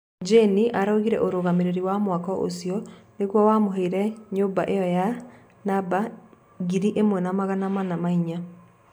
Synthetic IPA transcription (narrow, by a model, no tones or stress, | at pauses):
d͡ʒeniʔaɾaoɣiɾɛ̰ʔoɾoɣameɾeɾiwamwakɔʔo̰siɔneɣwɔwamoɦeiɾɛɲoːmbaʔejɔja | naba | ɡiɾiʔemwɛnamaɣanamanamaiɲa